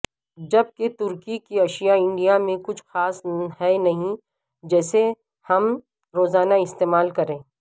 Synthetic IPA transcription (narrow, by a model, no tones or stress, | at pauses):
d͡ʒɐb̚ket̪ʊɾkikiɐʃijaɪ̃ɳɖijamẽkʊt͡ʃʰxaːsɦɛnɐɦĩ | d͡ʒɛːse | hɐm | ɾoːzaːnaɪst̪eːmaːlkɐɾẽː